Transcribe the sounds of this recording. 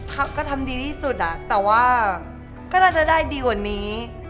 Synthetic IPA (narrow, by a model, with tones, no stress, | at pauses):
kʰa˦˥˩p̚kɔː˥˩t̪ʰa˧mdiː˧t̪ʰiː˥˩su˨˩t̪̚ʔa˨˩ʔt̪ɛː˨˩waː˥˩ | kɔː˥˩naː˥˩t͡ɕa˨˩ʔdaː˥˩jdiː˧kwaː˨˩nːiː˦˥